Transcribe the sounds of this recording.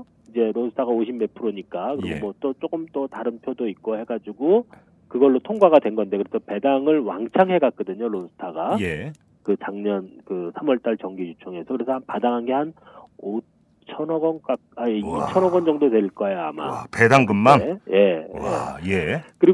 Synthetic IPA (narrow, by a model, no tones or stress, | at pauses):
id͡ʑe̞ɾosʰɯ̥tʰaɣaoɕʰimːe̞pʰɯɾoɲik͈akɯɾiɡomwʌt͈ot͡ɕ͈okɯmt͈otaɾɯnpʰjodoit̚k͈ohe̞ɡad͡ʑuɡo | kɯɡʌɭːotʰoŋɡwaɣadwe̞nɡʌnde̞kɯɾesʰʌpe̞daŋɯɭwaŋt͡ɕʰaŋɦe̞ɡak̚k͈ʌdɯɲoɾosʰɯ̥tʰaɡaje | kɯt͡ɕaŋɲʌnkɯsʰamʌɭt͈aɭt͡ɕʌŋɡijut͡ɕʰʌŋe̞sʰʌkɯɾe̞sʰʌhanpadaŋɦanɡe̞hano | t͡ɕʰʌnʌɡʌnk͈a | ajeit͡ɕʰʌnɦʌɡʌnd͡ʑʌŋdotwe̞iɭk͈ʌejoa̰ma̰pedaŋɡɯmmanje̞jejekɯɾi